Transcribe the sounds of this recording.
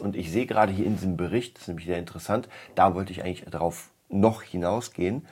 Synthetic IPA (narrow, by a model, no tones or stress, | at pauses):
ʊntɪçz̥eːəɡəʁaːdəhiːɐɪndiːzəmbəʁɪçt̚d̥ḁstnɛːmlɪçzeːɐɪntəʁəsantd̥avɔltəɪçʔaɪɡŋlɪçdaʁaʊf | nɔχhɪnaʊsɡ̥eːən